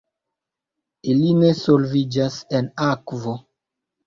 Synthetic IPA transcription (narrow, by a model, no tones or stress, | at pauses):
ilinesolvid͡ʒasenakvo